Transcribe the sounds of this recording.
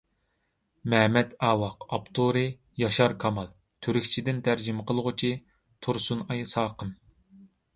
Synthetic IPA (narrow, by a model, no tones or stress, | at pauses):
mɛmɛt̪ɑːwɑqɑpt̪ʰuɾɨ | jɑʃɑɾkʰɑmɑlˠ | t̪ʰøɾykʲt͡ʃʰid̪ɪnt̪ʰæɾd͡ʒimɨqʰəlˠʁʊt͡ʃʰi | t̪ʰuɾsunɑjsɑːqəm